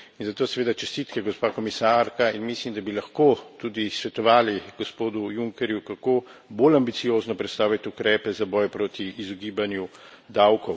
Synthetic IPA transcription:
inzat̪oːsɛʋeːd̪at͡ʃɛst̪iːt̪kɛɡɔspaːkɔmisaɾkainmislimd̪abilaxkot̪uːd̪isʋɛt̪ɔʋaːliɡospoːd̪ujuŋkɛɾjukakoːboːlambit̪sijoːznɔpɾɛt̪st̪aːwʋit̪ukɾɛːpɛzabɔjpɾoːt̪iːzɔɡiːbanju | d̪awkɔw

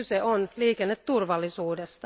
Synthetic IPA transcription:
yseonliːkenːet̪tːurʋɑlːisuːdest̪ɑ

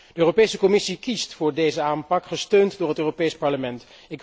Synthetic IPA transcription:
d̥əøːropejsəkɔmɪsikistfʊːɹdejzəaːmpɑkχəstøɥntdʊːɹɦətøːropejspɑɹləmɛnt | ɪk

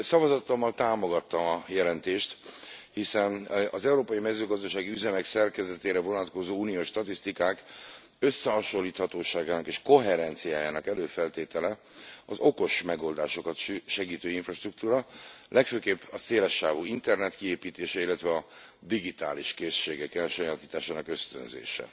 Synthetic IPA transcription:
sɒvɒzɒt̪omːɒlt̪aːmo̞ɡɒt̪ːɒmɒjɛlɛnt̪eːʃt̪hisɛnɒzɛuɾoːpɒjimɛzøːɡɒzd̪ɒʃaːɡiyzɛmɛksɛrkɛzɛt̪eːɾɛvo̞nɒt̪ko̞zoːuːnijoːʃːt̪ɒt̪ist̪ikaːk | ø̞sːɛɦɒʃo̞lːiːt̪hɒt̪oːʃaːɡaːnɒkeːʃko̞ɦɛɾɛnt̪sijaːjaːnɒkɛløːfɛlt̪eːt̪ɛlɛ | ɒzo̞ko̞ʃmɛɡo̞ld̪aːʃo̞kɒt̪ʃɛɡiːt̪øːiɱfrɒʃt̪ruk̚t̪uːɾɒlʔɛkføːkeːbːɒseːlɛʃːaːvuːint̪ɛrnɛt̪kieːpiːt̪eːʃɛilːɛt̪ʋɛɒd̪iɡit̪a̰ːliʃkeːʃːeːɡɛkɛlʃojat̪iːt̪aːʃaːnɒkø̞st̪ø̰nzḛːʃɛ̰

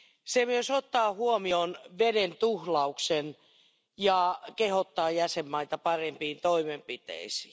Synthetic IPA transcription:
semyøsot̪ːɑːhuomionʋedent̪uhlɑuksen | jɑkehot̪ːɑːjæsemːɑit̪ɑpɑrempiːnt̪oimempit̪ḛisi̥ː

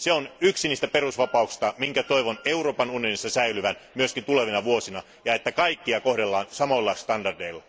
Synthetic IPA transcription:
seonyksiniːst̪æperusʋɑpɑuksi̥st̪ɑmiŋkæt̪o̞iʋoneuroːpɑnunijonisːɑsæilyʋænmyøskint̪uleʋinɑʋuosinɑ | jɑe̞t̪ːækɑikːiɑkohdelːɑːnsɑmolːɑst̪ɑndɑrdeilːɑ

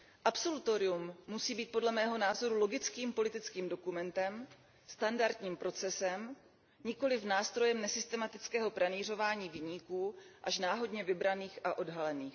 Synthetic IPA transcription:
ʔapso̞lut̪o̞ɾɪumːusiːbiːt̪̚po̞dlɛmɛːɦonaːzo̞ɾulo̞ɡɪt͡skiːmpo̞lɪt̪ɪt͡skiːmdo̞kumɛnt̪ɛm | st̪andaɾd̪ɲiːmpɾo̞t͡sɛsɛm | ɲɪko̞lɪfnaːst̪ɾo̞jɛmnɛsɪst̪ɛmat̪ɪt͡skɛːɦo̞pɾaniːr̝o̞vaːɲiːvɪɲikuːʔaʃnaːɦo̞dɲɛvɪbɾaniːxaʔo̞dɦalɛniːx

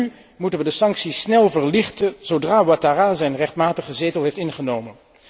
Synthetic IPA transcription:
y | mutənʋədəsɑŋksisnɛlˠvəɹlɪχtəz̥owdraːwataraːzɛjnrɛχtmaːtəχəzejtəlˠɦejftɪnχənowmən

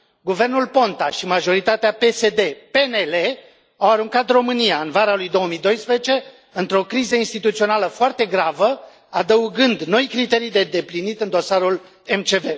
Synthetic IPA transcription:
ɡuve̞rnulpo̞nt̪aʃimaʒo̞ɾit̪at̪eape̞se̞d̪e̞pe̞ne̞le | awaɾuŋkat̪ro̞mɨnijaɨnvaɾalujd̪o̞wəmijd̪o̞jspɾezet͡ʃe̞ | ɨnt̪ɾo̞kɾizəinst̪it̪ut̪sio̞naləfoart̪e̞ɡɾavə | ad̪əuɡɨnd̪no̞jkɾit̪e̞ɾijd̪e̞d̪e̞plinit̪ɨnd̪o̞saɾul | e̞mt͡ʃe̞ve̞

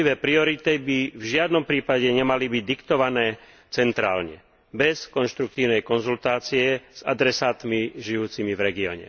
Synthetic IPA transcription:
iʋɛːpɾiɔɾit̪ibivʒɪad̪nɔmpɾiːpaɟɛɲɛmalibiɟ̚d̪ikt̪ɔʋanɛː | t͡sɛnt̪ɾa̰ːlɲɛ̰ | bɛskɔnʃt̪ɾuk̚t̪iːʊnɛjkɔnzult̪aːt͡siɛz̥a̰d̪ɾɛsaːt̪miʒijuːt͡simivɾɛɡiɔ̰ːɲɛ̰

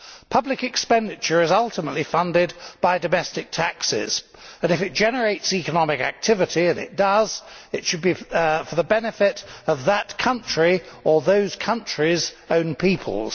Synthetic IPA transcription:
pʰʌblɨkɨkspɛ̃ndɨt͡ʃə˞ɨzʌlˠtəməʔlifʌ̃ndɪd̚b̥aɪdɨmɛstɨk̚tʰæksɪ̰z̥ | ɨ̃nɨfɨt̚d̥ʒ̥ɛnə˞eɪtsikənɑmɪkæ̰k̚tʰɪvɨɾiɨ̃nɪ̰t̚d̥ʌzɨtʃɨd̚bifə˞ðəbɛnɨfɪɾʌvðətkʰʌ̃nt͡ʃɹ̥iə˞ðoʊz̥kʰʌ̃nt͡ʃɹ̥izõʊ̃npʰipʰə̰lˠz̥

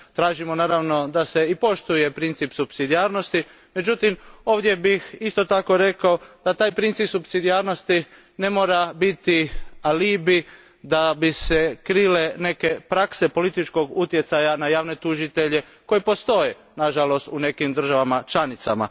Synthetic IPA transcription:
t̪ɾaːʒimonaːɾaʋno̞d̪ase̞ipo̞ʃt̪uje̞pɾint̪sipsubsid̪iaːɾno̞st̪i | me̞d͡ʒut̪imo̞ːʋd̪je̞bixist̪o̞t̪ako̞ɾe̞kaod̪̥at̪aːjpɾint̪sipsubsid̪ijaːɾno̞st̪i | ne̞mo̞ːɾabit̪ialibi | d̪abisekɾile̞ne̞ke̞pɾakse̞po̞lit̪it͡ʃko̞ɡut̪je̞t̪sajanajaːʋne̞t̪uʒit̪e̞ʎe̞ | ko̞jepo̞st̪o̞je | naʒalo̞st̪une̞kimd̪r̩ʒaʋamat͡ʃlanit̪sa̰ma̰

